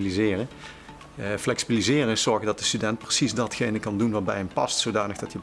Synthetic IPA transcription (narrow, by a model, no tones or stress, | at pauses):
lizɪːrə | flɛksibilizɪːrənɪsɔɹɣədɑt̚dəstydɛnt̚prəsizdɑtxejnəkɑndunʋaːɹbɛjɦəmpɑstsowdaːnəɣdɑtjə